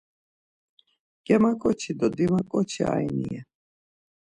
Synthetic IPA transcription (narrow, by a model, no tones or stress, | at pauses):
ɡ̥ɛmakʼɔt͡ʃʰid̪ɔd̪imakʼɔt͡ʃʰḭa̰jnḭɛ